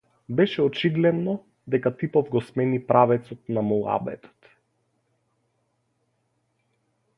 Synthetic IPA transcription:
bɛʃɛɔt͡ʃiɡ̪lɛd̪nɔ | d̪ɛkat̪ipɔvɡɔsmɛnipɾavɛt̪sɔt̪namulˠa̰bɛ̰t̪ɔ̥t̪

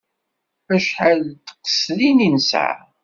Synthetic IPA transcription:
æʃħəlt̪qə̥slininsa̰

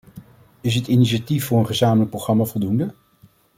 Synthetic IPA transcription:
ɪs̬ətiniʃatifːʊːɹənχəzaːmələk̚proχrɑmaːvɔlˠdundə

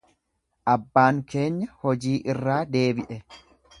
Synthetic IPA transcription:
ʔɐbːaːŋke̞ːɲːɐhɔd͡ʒiːʔɪrːaːd̪e̞ːbɪʔɛ

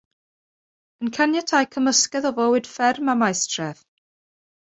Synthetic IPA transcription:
ənkʰanjatʰajkʰəməskɛðɔvɔwɪd̥fɛrmamajstʰrɛð

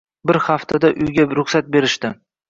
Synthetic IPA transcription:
bɪɾhaft̪ʰad̪aʔʊjɡʲaɾʊχsat̪̚be̞ɾɪʃt̪ɪ

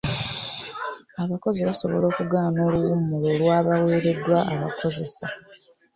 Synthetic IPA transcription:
aβako̞ziβaso̞βo̞̰lo̞ːkuɡaːnoːluwumulo̞lwaːβaweːɾe̞dːwaʔaβako̞ze̞sa

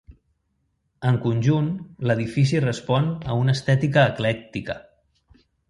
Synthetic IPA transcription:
əŋkunʲʒunləð̞ifis̬irəspɔnəunəst̪ɛt̪ikəːklɛk̚t̪ikə̰

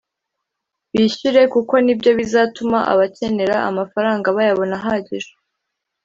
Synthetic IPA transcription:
βiɕuɾe̞kuko̞nibɟo̞βizaːtumaʔa̰βace̞ne̞ɾa̰ʔa̰mafaɾaːŋɡaβajaβo̞naɦaɟiʒe

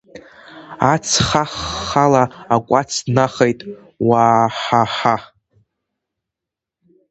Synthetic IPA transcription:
at͡sʰχaχːalaakʷʼat͡sʰdnaχejtʼ | waːħaħa

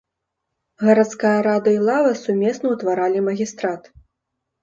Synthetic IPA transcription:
ɣɐɾat̪skajɐɾad̪ɨilˠavɐsumʲɛsnɐwt̪vaɾalʲimɐɣʲist̪ɾat̪

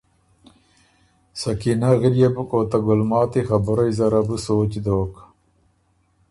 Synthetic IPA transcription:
sɐkinaɣiljebukoːt̪ɐɡulmaːt̪ixɐbuɾɐizɐɾɐbusoːt͡ɕd̪oːk

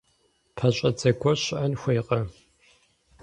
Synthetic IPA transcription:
pʰɐɕʼɐt͡sʼɐkʷʰɔɕʔɐnxʷejqʼɐ

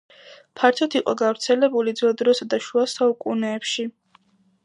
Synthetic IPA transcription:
pʰaɾt̪ʰɔt̪ʰiqʼɔɡavɾt̪sʰɛlɛbulid̪zɛd̪ɾɔsad̪aʃuasaukʼunɛːpʃi

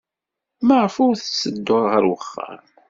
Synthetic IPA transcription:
maʁəfʊɾθəsːəd̪ːʊɾˤʁəɾwəχːə̰ɾ

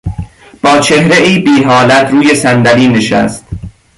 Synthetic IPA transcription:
b̥ɒːt͡ʃʰe̞hɾeʔiːbiːɦɒːlæt̪ʰɾuːje̞sænd̪æliːneʃæ̰st̪

